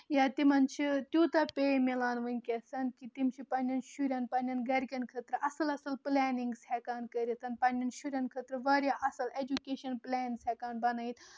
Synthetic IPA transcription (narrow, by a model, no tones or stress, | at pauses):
jaːt̪imɐnt͡ʃʰit̪ʲjuːt̪ɐpʲeːmilaːnʋɨnʲkʲesɐnkit̪imt͡ʃʰipɐnʲɐnʃuɾʲɐnpɐnʲɐnɡɐɾʲkʲɐnkʰət̪ɾɨʔɐsɐlɐsɐlplɛːniŋɡshɛkaːnkɐɾʲit̪ʰɐnpɐnʲɐnʃuɾʲɐnkʰət̪ɾɨʋɐːɾʲjaʔɐsɐled͡ʒukʲeːʃɐnplɛːnshɛkaːnbɐnɐjt̪